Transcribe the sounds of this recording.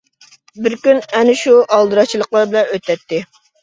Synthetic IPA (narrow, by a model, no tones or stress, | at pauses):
bɪɾkʲynɛnɪʃuʔɑlˠd̪ɨɾɑt͡ʃʰilˠəqlˠɑɾbɪlɛnøt̪ʰːɛt̪ʰːɪ